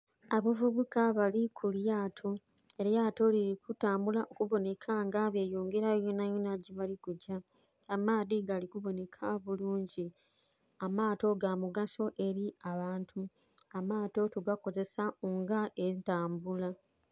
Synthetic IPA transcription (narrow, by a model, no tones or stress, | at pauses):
aβavuβukaβalikʰuljaːtʰo | eɾjaːto̞liɾikutaːmbulaʔokuβo̞ne̞kʰaŋɡaβjejuːŋɡe̞ɾajonajonaɟiβalikuɟaː | maːðiɡalikuβo̞ne̞kʰaβuluːɲɟi | amaːto̞ɡamuɡaso̞ʔe̞ɾiaβaːntʰu | amaːto̞tuɡako̞ze̞saoŋɡaʔeitaːmbula